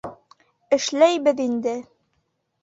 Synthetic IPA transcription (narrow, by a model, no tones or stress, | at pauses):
ɘ̆ʃlæjbɘðind̪ɘ